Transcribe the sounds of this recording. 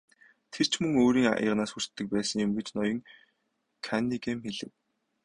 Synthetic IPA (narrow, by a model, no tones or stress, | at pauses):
t̪ʰer̥t͡ɕʰmɵŋoːɾiːŋa̰jə̰ʁnaːsxur̥t̪ːɘ̆k̚pæːsə̆ŋjʊmɡet͡ɕnɔjɞ̆ŋ | kʰanːikemxeɮɘ̆w